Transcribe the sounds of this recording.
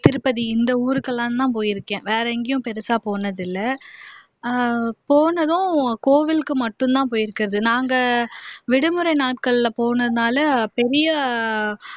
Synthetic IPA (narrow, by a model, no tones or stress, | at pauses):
t̪ɪɾɯpːɐðiɪnd̪ɐuːɾɯkːɐlːãːnt̪ãːpoːjɪɾɯkːẽːʋeːɾɐɪŋɡɐjʊ̃pɛɾɯsaːpoːnɐðɪlːɐ | poːnɐðʊ̃koːʋɪlkːɯmɐʈːɯ̃nt̪ãːpoːjɪɾɯkːɪɾɐðɯnaːŋɡɐʋɪɽɯmɯɾɐɪnaːʈkɐɭːpoːnɐðɯnaːlɐpɛɾɪjɐ